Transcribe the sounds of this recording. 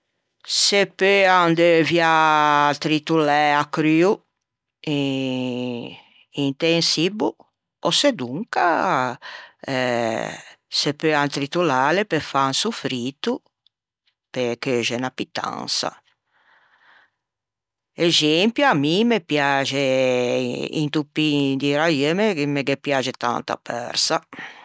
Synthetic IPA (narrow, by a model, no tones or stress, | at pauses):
sepøand̪evjat̪ɾit̪ulɛakɾyu | i | int̪ensibu | ɔsed̪uŋka | ɛ | sepøant̪ɾit̪ulaːlepefansufɾit̪u | pekøːʒɛnapːit̪ːa̰nsa̰ | ɛzempjuamːimepjaːt͡ʃe | ḭnt̪upːid̪iɾaɛmekimeɡepːjaːt͡ʃɛt̪a̰nt̪a̰pʰːɛ̰ɾsa